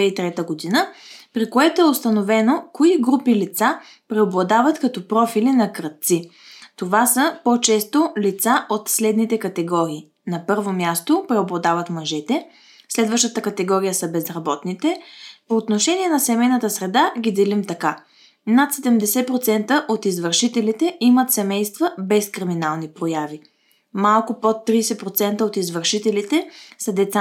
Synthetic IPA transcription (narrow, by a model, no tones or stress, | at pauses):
ɛit̪ɾɛt̪əɡod̪inəpɾikoɛt̪oɛʊst̪ɐnovɛnokoiɡɾupilit̪sa | pɾɛoblˠɐd̪avət̪kɐt̪ɔpɾɔfilinɐkɾət̪̚t̪si | t̪ovasəpɔt͡ʃɛst̪olit̪saʔot̪slɛd̪nit̪ɛkɐt̪ɛɡɔɾiː | nɐpɤɾvomʲjast̪opɾɛoblˠɐd̪avət̪mɐʒɛt̪ɛ | slɛd̪vəʃt̪ət̪əkɐt̪ɛɡɔɾijəsəbɛzɾɐbɔt̪nit̪ɛpoːt̪noʃɛniɛnɐsɛmɛjnət̪əsɾɛd̪aɡʲid̪ɛlimt̪ɐka | nat̪sɛd̪ɛmd̪ɛsɛpɾot̪sɛnt̪əʔot̪izvəɾʃit̪ɛlit̪ɛʔimət̪sɛmɛjst̪vəbɛskɾiminalˠnipɾojavi | malˠkʊpot̪ːɾisɛpɾot̪sɛnt̪əot̪izvəɾʃit̪ɛlit̪ɛsəd̪ɛt̪sa